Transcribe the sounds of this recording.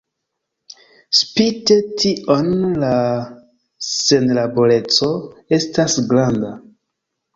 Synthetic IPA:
spite̞tiʔonla | se̞nlabo̞le̞t͡so̞e̞stasɡɾanda

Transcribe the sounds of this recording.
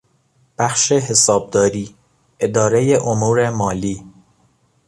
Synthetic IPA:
b̥æxʃe̞ɦe̞sɒːb̚d̪ɒːɾiː | e̞d̪ɒːɾe̞jeʔomuːɾe̞mɒːliː

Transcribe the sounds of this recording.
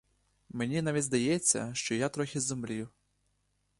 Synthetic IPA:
menʲinaʋʲidʲzd̪ɐjɛt͡sʲːɐ̰ʃt͡ʃɔjat̪ɾɔxʲɪzʊmblʲijʊ

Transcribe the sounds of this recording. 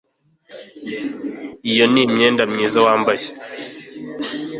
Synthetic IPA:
ijonimɲeːndamɲiːzawaːmbaʃḁ

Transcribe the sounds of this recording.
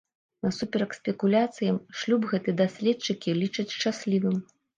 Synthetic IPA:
nɐsupʲɛɾɐksʲpʲɛkulʲat̪sɨjɐmʂlʲubɣɛt̪ɨɛd̪asʲlʲɛtt͡ʂːɨkʲilʲit͡ʂɐt͡sʲʂt͡ʂasʲlʲivɨm

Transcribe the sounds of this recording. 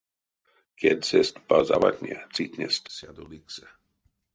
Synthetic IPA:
kɛtsɛst̪pazava̰t̪ʲɲɛ̰t͡siːt̪ɲɛ̰st̪sjad̪oliksɛ

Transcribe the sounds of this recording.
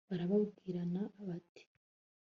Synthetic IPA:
βaɾaβaβɡiːɾanaːβate̥

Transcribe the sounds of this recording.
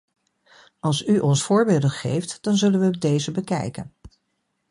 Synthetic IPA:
ɑlˠsyʔɔnsfʊːɹbeːlˠdənχḛjftd̥ɑnzɵlənʋəoɡ̚dejzəbəkɛ̰jkə̰n

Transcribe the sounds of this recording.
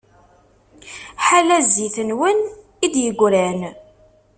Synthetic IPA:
ħalæziθənwən | id̪jəɡʷɾæn

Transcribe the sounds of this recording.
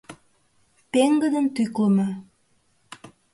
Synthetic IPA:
t̪eŋɡəd̪ənt̪ykləmɑ

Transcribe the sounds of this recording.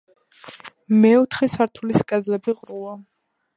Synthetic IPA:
mɛɔt̪ʰχɛsaɾt̪ʰuliskʼɛd̪lɛbiʁɾua

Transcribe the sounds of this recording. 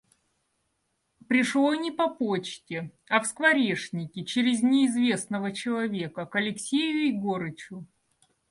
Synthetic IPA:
pɾʲɪʂlˠonʲɪpɐpot͡ɕtʲɪ | ɐfskvɐɾʲeʂnʲɪkʲɪt͡ɕɪɾʲɪzʲnʲɪːzvʲe̞snəvət͡ɕɪlˠɐvʲe̞kəkɐlʲɪksʲejʊɪjɡoɾɨt͡ɕʊ

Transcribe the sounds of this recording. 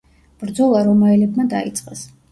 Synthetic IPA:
b̥ɾd̪zɔlˠaɾɔmaɛlɛbmad̪a̰ḭt̪sʼqʼɛs

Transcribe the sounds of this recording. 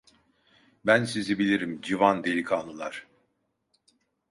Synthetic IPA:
bænsizibilʲiɾimd͡ʒivand̪elʲikʰaːnˠulˠa̰ɾ̥

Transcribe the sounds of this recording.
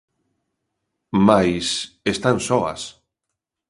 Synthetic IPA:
majsest̪ansɔa̰s

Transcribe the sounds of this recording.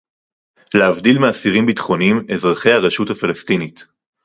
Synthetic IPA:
leavdilmeasiʁimbitχo̞nimezʁaχe̞jhaʁeʃuthafalastinit

